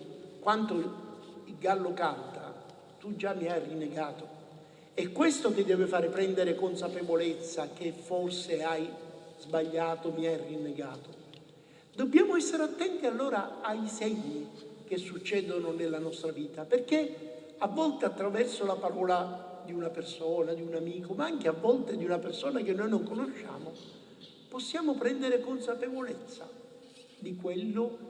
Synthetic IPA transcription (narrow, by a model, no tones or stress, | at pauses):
kwant̪oilɡalːokant̪a̰ | t̪ud͡ʒːamːiajrinːeɡaːt̪o | ɛkːwest̪okɪd̪ːɛːvɪfaːɾɪpɾɛnd̪eɾekonsapevolet̪sːak̟efːorseajzbaʎːaːt̪omiajrinːeɡaːt̪o | d̪obːjaːmoɛsːeɾeat̪ːɛnt̪ialːoːɾaaisɛɲːik̟esːut͡ʃːɛːd̪ononelːanɔst̪ɾaviːt̪aperk̟e | avːɔlt̪eat̪ːɾavɛrsolapaɾɔːla | d̪iunapersɔːnad̪iunamiːkomaaŋkeavːɔlt̪ed̪iunapersoːnak̟enːojnoŋkonoʃːa̰ːmo | posːjaːmopɾɛnd̪eɾekonsapevolet̪sːa̰ | d̪ikwelːʊ